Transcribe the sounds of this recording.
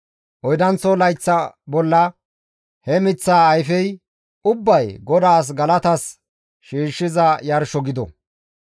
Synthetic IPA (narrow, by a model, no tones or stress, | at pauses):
ʔɔjd̪ɐnt͡sɔlɐjt͡sːɐbɔlːɐ | hɛmɪt͡sːaːjfɛj | ʊbːɐjɡɔd̪aːs̬ɡɐlɐt̪ɐs | ʃiːʃːɪzɐjɐɾʃɔɡɪd̪ɔ̰